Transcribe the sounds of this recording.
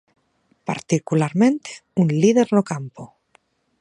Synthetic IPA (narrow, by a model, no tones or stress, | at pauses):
pa̰ɾt̪ikulaɾmẽnt̪e̥unlið̞eɾnokampo